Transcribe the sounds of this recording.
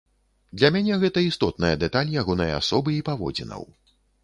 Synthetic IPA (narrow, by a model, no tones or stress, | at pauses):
d̪lʲɐmʲanʲɛɣɛt̪ɐist̪ɔt̪̚nɐjɐd̪ɛt̪alʲjaɣɔnɐjɐa̰sɔbɨipavɔ̰d͡zʲinɐ̰w